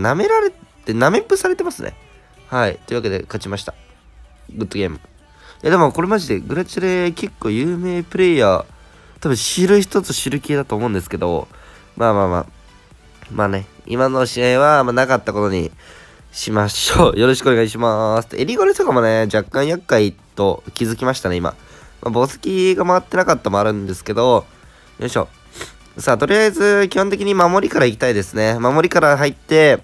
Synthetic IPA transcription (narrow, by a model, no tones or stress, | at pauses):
name̞ɾaɾe̞t̪ename̞pɯ̟saɾe̞t̪e̞masɨnʔḛ | hait̪ojɯβaked̪e̞̰kat͡ɕimaɕi̥t̪a | ɡɯ̟t̪ːoɡʲe̞ːmɯ̟̰ | jad̪emoko̞ɾe̞maʑid̪e̞ɡɯ̟ɾat͡ɕiɾeke̞kːo̞ːjɯ̟ːme̞ːpɯ̟ɾe̞ja | t̪abɯ̟̃ɕiɾɯ̟çi̥t̪o̞t͡sɨɕiɾɯ̟keːd̪at̪oːmo̞ɯ̟̃nd̪e̞sɨ̥ke̞d̪o̞̰ | maːmaːma̰ː | maːne̞ḭmano̞ɕieiβamanakat̪ːako̞t̪o̞ɲ̟ḭ | ɕimaɕoːjo̞ɾo̞ɕi̥kɯoneɡaɲiɕ̬imasɨ̥t̪eɾʲiɡoɾet̪okamo̞ne̞d͡ʑakːãɰ̃jakːait̪o̞kʲizɨkʲimaɕi̥t̪aneima̰ | mʔa̰bosɨ̥kʲiɡamaβat̪ːe̞nakat̪ːamo̞aɾɯ̟̃nd̪e̞sɨ̥ke̞d̪o̞ | ɕo̞̰ː | saːt̪o̞ɾʲiaizɨkʲihõnt̪ekʲiɲ̟imamo̞ɾʲikaɾaikʲi̥t̪aid̪e̞sɨne̞mamo̞ɾʲikaɾaɦait̪ːe̞